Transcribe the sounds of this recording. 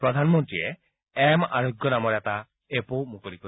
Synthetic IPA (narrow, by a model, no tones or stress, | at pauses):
pɾɔd̪ʱanmɔnt̪ɾie | ɛmaɾoɡjɔnamɔɾat̪a | epomukɔɾikɔ